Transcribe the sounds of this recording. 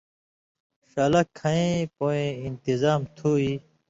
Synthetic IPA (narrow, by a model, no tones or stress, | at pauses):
ɕɐlɐkʰːɐ̃ẽpoːẽint̪izaːmt̪ʰuːiː